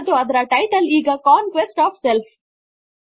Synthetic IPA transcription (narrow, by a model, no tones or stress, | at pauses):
d̪uɐd̪ɐɾɐʈɐɪʈɐliːɡɐkãːnkʋesʈaːfself